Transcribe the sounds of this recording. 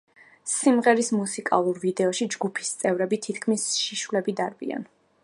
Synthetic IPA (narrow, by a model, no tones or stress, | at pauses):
simʁɛɾismusikʼa̰lˠuɾvid̪ɛɔʃid͡ʒɡupʰi̥st̪sʼɛvɾɛbit̪ʰit̪ʰkʰmisʃiʃwlɛbid̪aɾbḭa̰n